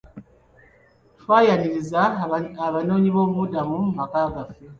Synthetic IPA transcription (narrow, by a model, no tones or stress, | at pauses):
fajaniɾizaaβanɔɲibɔmudamum̩makaɡafɛ